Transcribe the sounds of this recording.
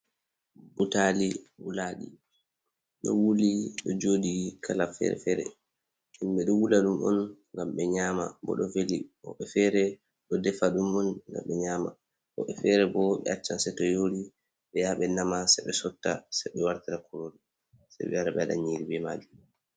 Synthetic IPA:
butaliwulaɗi | ɗɔ̰wuliɗɔd͡ʒoːdikʰalafɛ̰ɾɛ̰fɛɾɛ̰ | ɛmɓɛɗɔwulaɗumɔ̰nŋɡamɓɛɲaːma̰bɔ̰ɗɔveliɔ̰ɓɛfɛɾɛ | ɗɔdɛfaɗumɔnɡa̰mɓɛɲaːma̰ | ʔɔ̰ɓɛfɛɾɛbɔɓɛ̰at͡ʃːansɛtɔjoːɾi | ɓɛjaɓɛnamasɛɓɛsɔtːasɛɓɛwaɾtiɾakʰuɾoni | sɛ̰jɓɛ̰jaɾaɓɛaɗa̰ɲiɾibɛmad͡ʒu

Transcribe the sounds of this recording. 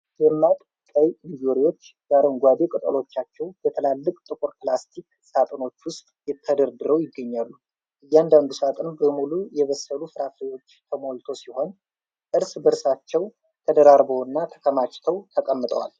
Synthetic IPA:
jɛmːat̪ʼ | kʼajnid͡ʒoɾiwo̞t͡ʃːɡaɾoŋɡʷad̪ekʼɨt̪ʼə̰lo̞t͡ʃːat͡ʃːɛwbət̪ʰəlalːɨkʼt̪ʼɨkʼʊɾplast̪ʰik | sat̪ʼəno̞t͡ʃːwʊst̪ʼjɛt̪ʰːəd̪əɾd̪ɨɾəwjɪɡːəɲːalːu | ʔɨjːand̪and̪usat̪ʼənbəmulujɛβəsːəlufɨɾafʰɾewo̞t͡ʃːt̪ʰəmo̞lt̪ʰo̞siho̞n | ʔɨɾsbəɾsat͡ʃːɛw | t̪ʰəd̪əɾaɾbowɨnːat̪ʰə̥kʰəmat͡ʃʼt̪ʰəwt̪ʰəkʼəmːɨt̪ʼə̰wa̰l

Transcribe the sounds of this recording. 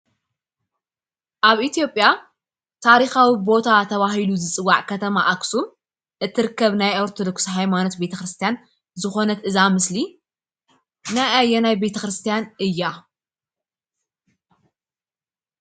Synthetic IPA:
ʔaβʔit̪ʰijo̞pʼːja | t̪ʰaɾixawibo̞t̪ʰat̪ʰɐβaɦiluzɨt͡sʼɨwːaʕkʰɐt̪ʰɐmaʔaksu | ʔɨt̪ʰːɨɾɨkːɐβnajʔaɾt̪ʰod̪oksɦajmano̞t̪be̞t̪ʰɐxɾɨst̪ʰijan | zɨxo̞nɐt̪ʔɨzamɨsli | najajːɛnajbe̞t̪ʰɐxɾɨst̪ʰijanʔɨjːa

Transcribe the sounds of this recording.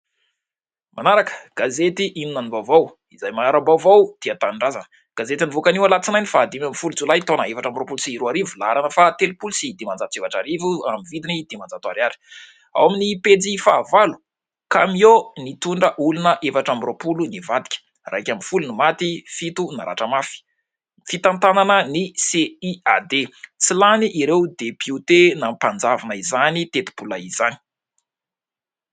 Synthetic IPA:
manaɾakə̥ɡ̥azet̪iʔininanivavaw | izajmaaɾabawvawd̪̥iat̪aniɳɖ͡ʐazanə | ɡ̥azet̪inivokaniwalat͡sinajnifaːd̪imamifulud͡zulajt̪onəevaʈ͡ʂambiropulsiɾuaɾivulaɾanəfat̪elipulusid̪imand͡zat̪evaʈ͡ʂaɾivuamivid̪inid̪imand͡zat̪uaɾaɾi̥ | a̰waminiped͡zifaːvalu̥ | kamionit̪uɳɖ͡ʐəʔulunəʔefaʈ͡ʂamiropulunivad̪i̥kʲə̥ | ra̰kʲamifulunimat̪ifit̪una̰ɾa̰ʈ͡ʂəmafi̥ | fit̪ant̪ananəniseiad̪et͡silaniʔiɾewd̪epiut̪enampand͡zavanəizanit̪et̪u̥b̥ulaizani̥

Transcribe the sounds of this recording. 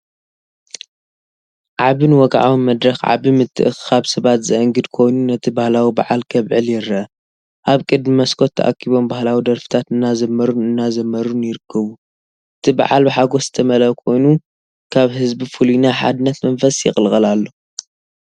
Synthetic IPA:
ʕaβɨnwɔɡʕawinmɐd̪ɾɐxʕa̰βimɨt̪ʰːɨ̰ʔɨxkaβsɐβat̪zɨʔɐŋɡɨd̪kʰo̞jnunɐt̪ʰibahlawibaʕalkʰɐβʕɨljɪɾɐʔɐ | ʔaβkʼɨd̪mimɐskʰo̞t̪ʰːɐ̰ʔa̰kʰːiβo̞mbahlawid̪ɐɾfɨ̥t̪ʰat̪ɨnːazɐmːɐɾunɨnːazɐmːɐɾunjɪɾɨkʰːɐβu | ʔɨt̪ʰiba̰ʕalbɨħaɡosz̥ɨt̪ʰɐmɐlɐkʰo̞jnu | kʰaβhɨzbifulinaħa̰d̪ɨnːɐt̪mɐnfɐsjɪ̰xʼlxʼɐlalːo̞

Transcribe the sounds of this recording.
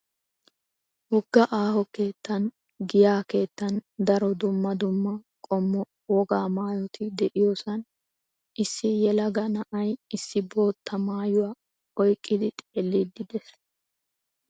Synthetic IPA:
hʊɡ̥ːɐʔaːhɔke̞ːt̪ːɐn | ɡɪjaːke̞ːt̪ːɐnd̪ɐɾɔd̪ʊmːɐd̪ʊmːɐ | kʼɔmːɔ | wɔɡaːmaːjɔt̪ʰɪd̪ɛʔɪjoːsɐn | ʔɪsːɪjɛlɐɡɐnɐʔɐjɪsːɪbo̞ːt̪ːɐmaːjʊwa | ɔjkʼːɪd̪ɪt̪ʼeːlːɪd̪ɪd̪ɛs

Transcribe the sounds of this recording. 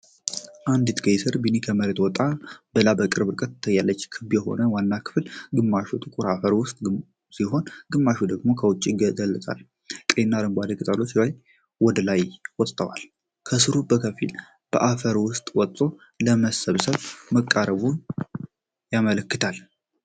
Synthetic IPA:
ʔand̪it̪ʰɡəjsɨɾbinikʰəməɾet̪wɔt̪ʼabəlabəkʼɨɾbɨɾkʼət̪ːt̪ʰːəjːalːət͡ʃːkʰɨbjɛho̞̰nəwanːakʰɨ̥flɡɨmːaʃut̪ʼɨkʼuɾafəɾwʊst̪ʼ | siɦo̞nɡɨmːaʃud̪əɡmo̞kʰəwʊt͡ʃʼːiɡɡəlːt̪ʼa̰l | k̪ʼenːaɾəmɡʷad̪əkʼɨt̪ʼalo̞t͡ʃlaj | wɔd̪əlajwɔt̪ʼt̪ʰʼːəwa̰l | kʰəsɨɾubəkʰəfḭl | b̥əʔafəɾwʊst̪ʼwɔt̪ʼːo̞ | ləməsəβsəβməkʼːaɾəβun | jamələkːɨt̪ʰal

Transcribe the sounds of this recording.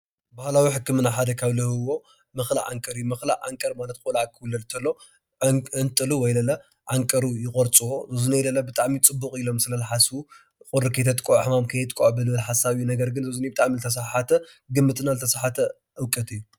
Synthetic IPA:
bahlawiħɨkːɨmɨnːaħad̪ɐkʰaβlɨhɨwo̞ | mɨxla̰ʕa̰ŋkʼɐɾijumɨxla̰ʔa̰ŋkʼɐɾmalɐt̪̚kʼulaʕkʰɨwlːɐlt̪ʰɐlːo | ɨnt̪ʼɨluwɔjlɐlɐ | ʕaŋkʼɐɾujɪkʼoɾt͡sʼɨwo̞zɨzunejlɐlːɐbɨt̪ʼaʕmit͡sʼɨbːukʼilo̞msɨlɐlɐħasu | kʼʊɾɨkʰɐjt̪ʰɐt̪ʼkʼoʔħɨmamkʰɐjt̪ʼkʼoʕbɨlɨɨlħasaβjunɐɡɐɾɡɨnzɨzunibɨt̪ʼaʕmilɨt̪ʰɐs̬aħat̪ʰɐ | ɡɨmːɨt̪ʼɨnalɨt̪ʰɐsaħat̪ʰɐ | ʔɨwkʼɐt̪ʰʼɨjːu

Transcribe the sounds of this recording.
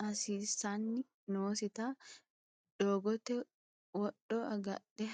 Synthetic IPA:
ʔɐsiːsanːɪ | noːsɪt̪aː | ᶑ̪̥oːɡɔt̪ɛ | wɔɗɔɐɡɐ̰ɗɛ

